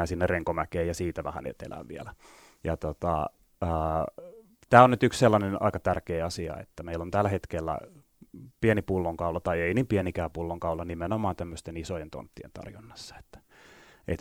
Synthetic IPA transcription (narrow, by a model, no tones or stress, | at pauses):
æːsinːerreŋkomækeːjɑsiːt̪æʋæhæ̰nḛt̪ḛlæ̰ʋʋiælæ | jɑt̪ot̪ɑ̰ | əː | t̪æːonyt̪yksselːɑnenɑ̰ikɑt̪ærkeːɑsiɑ̰ḛt̪ːæmeilːont̪ælːæhet̪kelːæ̰ | pienipulːoŋkɑulɑt̪ɑieiniːmpienikæːpulːoŋkɑulɑnimenomɑːnt̪æmːøst̪enisojent̪o̰nt̪ːiḛnt̪ɑ̰rjonːɑsːɑ̥e̥t̪ːæ̥ʔḛt̪